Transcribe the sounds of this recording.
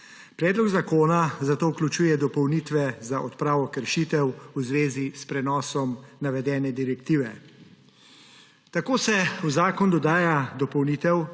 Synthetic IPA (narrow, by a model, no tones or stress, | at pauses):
pɾɛːd̪lɔɡzakoːnazat̪oːwklʲut͡ʃuːjɛd̪ɔpɔwniːt̪ʋɛzaʔɔt̪pɾaːʋɔkəɾʃiːt̪ɛwuzʋeːzispɾɛnɔːsɔmnaʋɛd̪ɛːnɛd̪iɾɛkt̪iːʋɛ | t̪akoːsɛuzaːkɔnd̪ɔd̪aːjad̪ɔpɔwniːt̪ɛw